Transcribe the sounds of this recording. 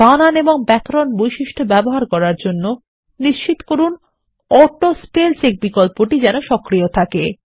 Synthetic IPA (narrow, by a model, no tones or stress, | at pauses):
ananeboŋbɛkɾonbojʃiʃʈʰobɛboɦaɾkɔɾaɾd͡ʑonːo | niʃt͡ɕit̪o̥koɾun | ɔʈospelt͡ɕek̚bikolpoʈid͡ʑɛnoʃɔkɾiot̪ʰake